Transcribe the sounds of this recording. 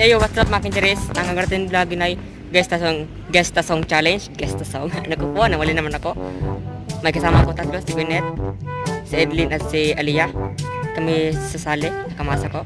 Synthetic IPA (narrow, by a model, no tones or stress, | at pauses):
ejowat̪sap̚makɪint̪ɛɾɛsaŋkaɡəɾt̪inlaɡinaj | ɡɛst̪asɔŋ | ɡɛst̪asɔŋt͡ʃalɛnt͡ʃɡɛst̪asɔŋanakopuanamalinamanako | majkasamakot̪at̪̚lɔsiɡɛnɛt̪̚siɛd̪linat̪sialijak̪amisəsalɛnakamasako